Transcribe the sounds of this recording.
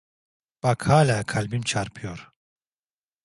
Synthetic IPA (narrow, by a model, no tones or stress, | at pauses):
b̥akhaːlʲaːkʰalʲbimt͡ʃʰaɾpʰɯjoɾ̥